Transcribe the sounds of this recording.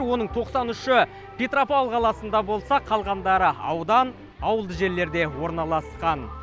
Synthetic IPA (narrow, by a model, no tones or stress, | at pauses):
ɾwo̞nəɴt̪ʰo̞qsɑnʏʃɪ | pʰʲet̪ropolˠqʰɑlˠɑsənd̪ɑbo̞lˠsɑqʰɑlˠʁɑnd̪ɑɾəɑ̰wd̪ɑn | ɑwəlˠd̪əʒe̞ɾle̞ɾd̪e̞wo̞ɾnɑlˠɑsqɑn